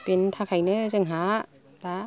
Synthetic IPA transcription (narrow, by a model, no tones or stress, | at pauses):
pentʰakʰajnɯzɯŋɦa | ba